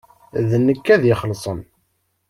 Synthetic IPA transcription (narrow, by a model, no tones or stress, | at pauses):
ðnːəkːæðjɪχəlsˤən